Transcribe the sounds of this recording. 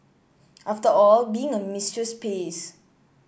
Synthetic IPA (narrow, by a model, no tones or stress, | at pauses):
ʔaftəɔlbiɪ̃ŋəmistɹəspes